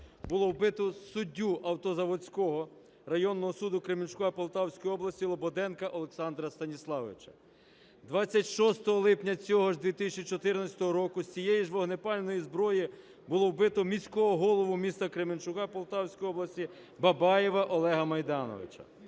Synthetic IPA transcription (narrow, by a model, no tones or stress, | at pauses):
bʊlˠɔwbɪt̪ʊsʊdʲːuʔɐwt̪ɔzɐʋɔt͡sʲkɔɦɔ | rɐjɔnːɔɦɔsud̪ʊkɾemɪnʲt͡ʃkɔɐpɔlˠt̪ɑwsʲkɔjɔblˠɐsʲilˠɔbɔd̪ɛnkɐʔɔlˠeksɑnd̪ɾɐst̪ɐnʲislˠɑʋɪ̰t͡ʃɐ̥ | d̪ʋɑt͡sʲːɐtʲʃɔst̪ɔɦɔlˠɪpnʲɐt͡sʲɔɦɔʒd̪ʋʲit̪ɪsʲt͡ʃit͡ʃɔt̪ɪrnɐt͡sʲɐt̪ɔɦɔɾɔkʊsʲt͡sʲijɛjiʒʋɔɦnepɑlʲnɔjizbɾɔji | bʊlˠɔwbɪt̪ɔmʲisʲkɔɦɔɦɔlˠɔʋʊmʲist̪ɐkɾemɪnt͡ʃʊkɑpɔlˠt̪ɑwsʲkɔjiɔblˠɐsʲtʲi | bɐbɑjeʋɐʔɔlˠɛɦɐmɐjd̪ɑnɔ̰ʋɪ̰t͡ʃɐ̰